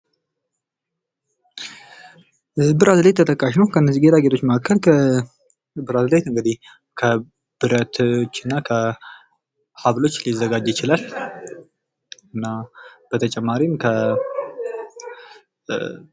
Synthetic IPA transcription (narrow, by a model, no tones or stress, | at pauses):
ʔɨzbɨɾazɨlet̪ːʰət̪ʰʼəkʼːaʃnəwkʰəɨnːəzːiɡe̞t̪ʰaɡe̞t̪ʰo̞t͡ʃːməakʰːəlkʰə | bɨɾazɨlet̪ɨŋɡəd̪ih | kʰə | b̥ɨɾət̪t͡ʃːɨnːakʰə | haβlo̞t͡ʃːlizːəɡad͡ʒjɪt͡ʃɪlal | ɨnːab̥ət̪ʰət͡ʃʼɛmːaɾimkʰə